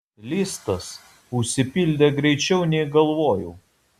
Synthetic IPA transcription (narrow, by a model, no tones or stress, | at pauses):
lʲist̪ɐs | ʊʃʲsʲɪpʲɪlʲd̪ʲeɡɾʲɛɪt͡ʃʲɛʊnʲɛɪɡɐlˠʋoːjɛʊ